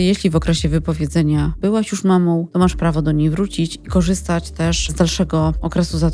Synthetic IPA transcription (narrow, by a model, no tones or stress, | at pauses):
jeɕlʲivɔkɾɛɕɛvɘpɔvʲjɛd̪zɛɲab̥ɘwaɕjuʂmamɔ̃w̃t̪ɔmaʂpɾavɔd̪ɔɲejvɾut͡ɕit͡ɕikɔʐɘst̪at͡ɕt̪ɛʂzd̪alʂɛɡɔɔkɾɛsuzat̪